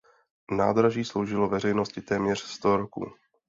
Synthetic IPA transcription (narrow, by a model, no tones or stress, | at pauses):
na̰ːd̪ɾaʒiːslo̞wʒɪlo̞vɛrɛjno̞scɪt̪ɛːmɲɛr̝̥st̪oɾokṵː